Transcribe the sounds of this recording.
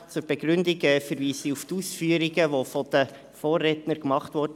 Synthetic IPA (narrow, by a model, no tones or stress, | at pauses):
t͡sʊɾb̥eɡɾʏndiɡɛfəɾʋiːsiuftusfyːəɾiɡəʋofɔd̥ə | foːrːɛtnəɾkmɑχtʋɔɾd